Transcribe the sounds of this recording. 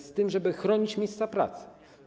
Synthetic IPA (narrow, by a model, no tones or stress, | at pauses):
st̪ɘmʐɛbɘxɾɔɲit͡ɕmʲejst̪sapɾa̰t̪sɘ̥